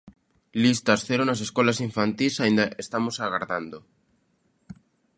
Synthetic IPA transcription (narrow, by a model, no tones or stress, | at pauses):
list̪asθeɾonaseskolasiɱfant̪isaĩnd̪aʔest̪amosaɣaɾðand̪o